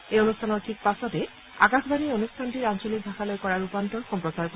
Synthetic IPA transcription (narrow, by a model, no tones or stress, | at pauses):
eonustʰanɔɾʈʰik̚pasɔt̪e | a̰kasbʱanionustʰanʈiɾant͡ʃolik̚d̪ʱaxalɔjkɔɾaɾupanʈɔnxɔmpɾɔt͡ʃaɾk